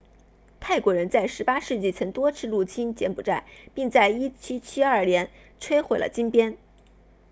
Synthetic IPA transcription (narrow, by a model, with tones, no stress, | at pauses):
t̪ʰa˥˩ɪkwɔ˧˥ɻə˧˥nt͡sa˥˩ɪʂɻ̩˧˥pa˥ʂɻ̩˥˧t͡ɕi˥˩t͡sʰɤ˧˥ŋt̪wɔ˥t͡sʰɻ̩˥˧lu˥˩t͡ɕʰi˥nt͡ɕjɛ˧˥npu˨˩ʈ͡ʂa˥˩ɪpi˥˧ŋt͡sa˥˩ɪi˥t͡ɕʰi˥t͡ɕʰi˥ɐ˞˥˩ljɛ˧˥n | ʈ͡ʂʰwe˥ɪxwe˨˩ɪlə̰˦t͡ɕi˥ŋpjɛ˥n